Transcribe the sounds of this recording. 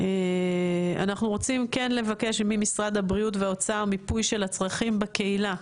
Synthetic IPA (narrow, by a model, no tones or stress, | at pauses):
e | a̰naχnuʁo̞t͡simke̞nle̞vake̞ʃmimisʁad̪habʁiutveot͡saomipujʃe̞lhat͡sʁaχimbeke̞ila